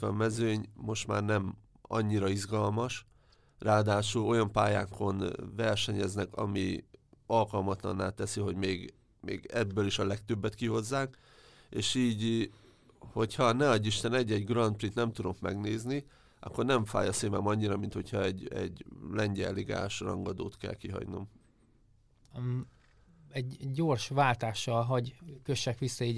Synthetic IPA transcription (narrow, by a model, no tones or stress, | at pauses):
ɒ̰mmɛzøːɲmo̞ʃt̪ma̰ːrnɛm | ɒ̰ɲːiɾɒizɡɒlmɒʃ | raːd̪aːʃulo̞jɒmpaːjaːŋkʰo̞nvɛrʃɛɲɛznɛkɒ̰miɒlkɒlmɒt̪lɒ̰nːaːt̪ɛsiɦo̞ɟmeːɡ | mḛːɡɛbːøːliʃɒlɛkt̪ø̞bːɛt̪kiɦo̞zːaːŋk | eːʃiːɟ | ho̞chɒnɛɒɟiʃt̪ɛnɛɟːɛɟɡrɒnd̪print̪nɛmt̪ud̪o̞kmɛ̰ɡneːzni | ɒ̰kːo̞rnɛɱfa̰ːjːɒseːvɛmɒɲːiɾɒmint̪ho̞cʰhɒɛɟɛ̰ɟlɛɲɟɛ̰lːiɡa̰ːʃrɒ̰ŋɡɒd̪o̰ːt̪kɛ̰lkiɦɒ̰ɟno̞̰m | ɛɟːorʃʋaːlt̪aːʃːɒlɦɒɟkøʃːɛkʋisːɒiː